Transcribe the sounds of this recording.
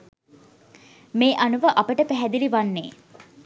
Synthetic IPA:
meːʔanuʋəʔɐpəʈəpæɦæd̪iliʋanːeː

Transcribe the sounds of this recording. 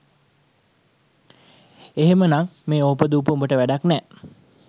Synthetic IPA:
eɦemənaŋmeːoːpəd̪uːp̬əumbəʈəʋæɖaknɛː

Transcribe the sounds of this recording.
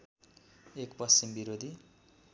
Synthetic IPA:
ekpʌst͡simbiɾod̪ʱi

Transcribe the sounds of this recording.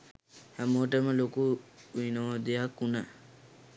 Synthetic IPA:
hæmoʈəməlokuinoʋod̪ejakːunə

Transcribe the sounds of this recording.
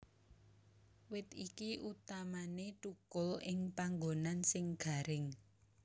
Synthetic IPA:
wɪt̪ikiʔut̪amaneʈukʊlɪŋpaŋɡonansɪŋɡ̥a̤ɾɪŋ

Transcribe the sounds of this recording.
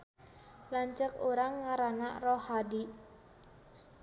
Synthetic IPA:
laɲt͡ʃəkoɾaŋːaɾana̰ʔrɔhadi

